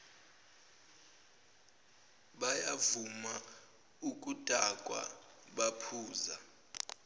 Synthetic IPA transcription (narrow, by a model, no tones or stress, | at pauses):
ɓajavuma | ukʼutʼakʼwa̰ | ɓapʰuːza